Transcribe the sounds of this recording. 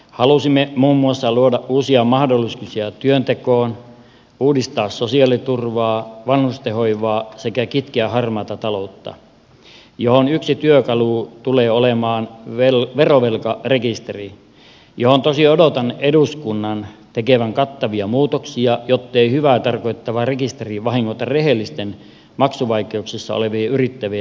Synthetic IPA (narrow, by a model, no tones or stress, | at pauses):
hɑlusimːemuːmːuɑsːɑluodɑʔʔuːsiɑmɑhdolːiskusiɑt̪yønt̪ekoːn | uːdist̪ɑːssosiɑlit̪urʋɑːʋɑnhust̪ehoiʋɑːsekækit̪keæhɑrmɑːt̪ɑt̪ɑlout̪ːɑ̰ | johonyksit̪yøkɑlut̪uleːolemɑːnʋelʋeroʋelkɑrekist̪eri | johont̪osiodot̪ɑneduskunːɑnt̪ekeʋæŋkɑt̪ːɑʋiɑmuːt̪oksiɑjot̪ːeihyʋæːt̪ɑrkoit̪ːɑʋɑrekist̪eriʋɑhiŋːot̪ɑreɦelːist̪en | mɑksuʋɑikeuksisːɑ̰o̰leʋiːyrit̪ːæʋi